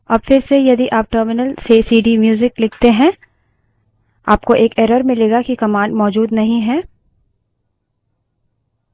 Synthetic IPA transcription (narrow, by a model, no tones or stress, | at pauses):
ɐbfɪɾsejɐd̪iʔaːp̚ʈəːɾmɪnəlseːsiːɖimjuːzɪklɪkʰt̪eɦɛ̃ | a̰ːpkoʔeːkeːɾəɾmɪ̃leːɡakikɐmãːɳɖmɔːd͡ʒuːd̪nɐɦĩɦɛː